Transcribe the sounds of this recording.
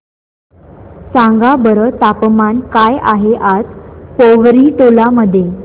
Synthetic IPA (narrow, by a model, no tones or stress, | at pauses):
sãŋɡabəɾət̪apmankajaɦeʔat͡spoʋɾiʈolaməd̪ʱːje